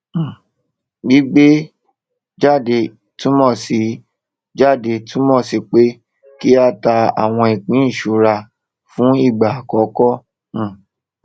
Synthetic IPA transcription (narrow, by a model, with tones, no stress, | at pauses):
ɡi˦ɡ͡be˦ | d͡ʒa˦˨de˧˨ | tũ˦mɔ̃˦˨si˨˦ | d͡ʒa˦˨de˧tʰũ˦mɔ̃˦˨si˨k͡pe˦ | ki˦a˦˨ta˧a̰˨w̃ɔ̃˧i˨ɡ͡bĩ˨˦ĩ˦˨ʃu˨˦ɾa˧ | fũ˦i˦˨ɡ͡ba˨kɔ˨˦kɔ̃˦˨